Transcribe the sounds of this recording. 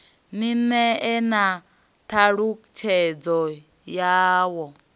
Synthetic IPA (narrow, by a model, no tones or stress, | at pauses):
ninɛɛna | t̪ʰaɺut͡ʃʰɛd͡zɔ | jaːwɔ